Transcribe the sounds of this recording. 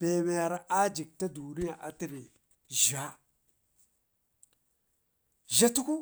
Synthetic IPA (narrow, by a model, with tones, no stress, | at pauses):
b̥e˨me˨ɾa˨ʔa˦d͡ʒi˨k̚ta˦du˨ni˦ja˨ʔa˨ti˦˨ni˨ | ʒa˦ | ʒa˦tu˦ku˦